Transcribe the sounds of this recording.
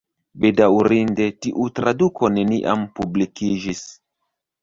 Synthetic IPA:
bedauɾinde̞tiʔutɾaduko̞ne̞niʔa̰mpublikid͡ʒis

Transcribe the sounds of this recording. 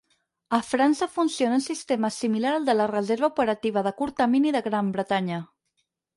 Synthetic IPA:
əfɾansəfunsionunsist̪eməsimilaɾəlˠd̪ələrəzeɾβəupəɾət̪iβ̞əðəkuɾt̪əminiðəɣɾambɾət̪aɲə

